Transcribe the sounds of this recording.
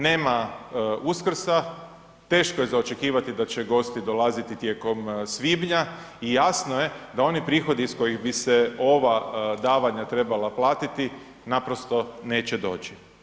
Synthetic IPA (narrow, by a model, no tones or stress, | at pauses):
ne̞ːmauskr̩sa | t̪e̞ːʃko̞jezaot͡ʃe̞kiːʋat̪id̪at͡ʃeɡo̞st̪id̪o̞lˠazit̪it̪jeko̞msʋiːbɲa | ijaːsnoje̞d̪ao̞nipɾiːxo̞d̪iːsko̞jiɣbiseo̞ʋad̪aːʋaɲat̪ɾe̞balaplaːt̪it̪i | napɾo̞st̪o̞ne̞ːt͡ɕed̪o̞̰ːt͡ʃi